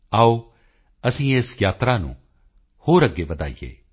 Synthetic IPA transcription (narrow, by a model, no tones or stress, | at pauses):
aːoː | əsĩːeːsjaːt̪ɾaːnṵ̃ː | hoːɾəɡːeːʋəd̪a̰ːḭjḛː